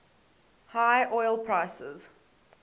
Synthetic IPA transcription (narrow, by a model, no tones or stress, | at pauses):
haɪʔɔɪlˠpʰɹaɪsə̰z̥